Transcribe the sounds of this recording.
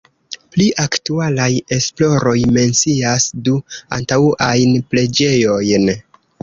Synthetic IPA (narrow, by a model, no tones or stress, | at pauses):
pliʔaktualaje̞splo̞ɾo̞jme̞nt͡siasdua̰ntauʔajnple̞d͡ʒe̞jo̞jn